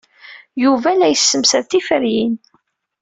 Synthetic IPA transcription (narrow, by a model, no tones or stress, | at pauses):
juvælæjəsːəmsəɾθifəɾjin